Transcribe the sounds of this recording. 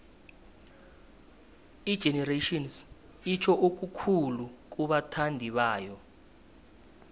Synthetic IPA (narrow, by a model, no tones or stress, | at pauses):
i̥ʒ̥ʱɛnɛreʃʼɔns | it͡ʃʰɔʔok̬ʼukʰuluk̬ʼuɓatʰandʱiɓaːjɔ